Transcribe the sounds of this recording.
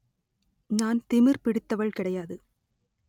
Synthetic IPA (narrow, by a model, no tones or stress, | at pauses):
naːnt̪ɪmɪɾpɪɽɪt̪ːɐʋɐɭkɪɽɐjaːðɯ